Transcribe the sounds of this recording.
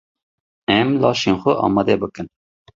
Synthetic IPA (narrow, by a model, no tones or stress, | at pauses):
ɛmlɑːʃenxʷʊʔɑ̰ːmɑd̪ɛbəkɨn